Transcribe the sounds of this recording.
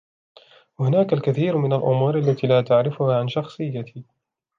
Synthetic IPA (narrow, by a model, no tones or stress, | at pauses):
wahʊnaːkalkaθiːɾmɪnalʔʊ̰muːɾʔalːat̪iːlaːt̪aʕɾɪfʊhaːʕanʃɑxsˤɨjːat̪ʰiː